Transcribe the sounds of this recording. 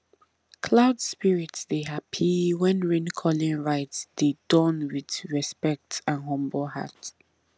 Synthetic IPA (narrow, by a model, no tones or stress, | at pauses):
kʰlaʊdspiɹitsdeɦapʰiwɛ̃nɹĩnkʰɔlĩnɹaɪtsd̥edɔ̃nwiðɹɛspɛk̚tʰãnɦʌ̃mblha̰t